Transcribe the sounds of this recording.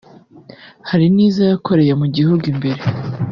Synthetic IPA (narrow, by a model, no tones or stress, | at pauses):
haɾiniːzajakʰo̞ɾe̞jemuɟihuɡimbeɾe